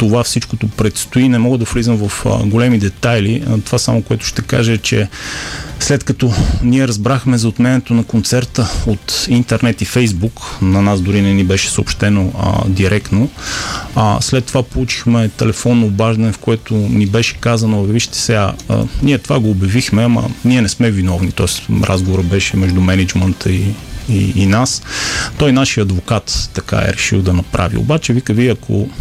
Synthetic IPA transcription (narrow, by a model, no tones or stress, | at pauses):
t̪ovafsit͡ʃkot̪opɾɛt̪st̪oinɛmɔɡəd̪ɐflizəmvɐfɡolɛmid̪ɛt̪ajlit̪ovasamokoɛt̪ʊ̥ʃt̪ɛka̰ʒət͡ʃɛ | slɛt̪kɐt̪ɔniɛɾɐzbɾaxmɛzɐot̪mɛniɛt̪onɐkont̪sɛɾt̪əot̪int̪ɛɾnɛt̪ifɛjzbuknɐnazd̪ʊɾinɛnibɛʃɛ̥soopʃt̪ɛno̰d̪iɾɛkno | a̰slɛt̪ːovapolˠut͡ʃi̥xmɛt̪ɛlɛfɔnːoːbaʒd̪ɐnɛfkoɛt̪ʊnibɛʃɛ̥kazɐnoviʃt̪ɛ̥sɛɡa̰niɛt̪ovaɡoːbjɐvixmɛɐmə̰niɛnɛsmɛvinɔvnit̪ɔɛsɾʔa̰zɡovoɾəbɛʃɛmɛʒd̪umɛnɛd͡ʒmənt̪ʰəiiːnast̪ɔjnaʃiəɐd̪vokat̪ːɐka̰ɛ̰ɾɛʃilˠd̪ɐnɐpɾʔa̰vḭo̰bat͡ʃɛvikəviɐkʰo̰